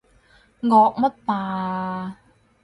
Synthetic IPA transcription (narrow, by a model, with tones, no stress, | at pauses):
ŋɔː˧k̚mɐ˥tt̪ːaː˨